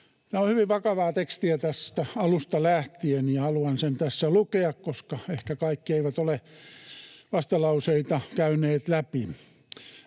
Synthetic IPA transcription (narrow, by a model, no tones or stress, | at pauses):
t̪æohyʋiʋʋɑkɑʋɑːt̪ekst̪iæt̪æst̪æɑlust̪ɑlæht̪ieniɑhɑluɑnsent̪æsːælukeɑkkoskɑehkækɑikːieiʋæt̪ole | ʋɑst̪ɑlɑuseit̪ɑkæyneːt̪læpi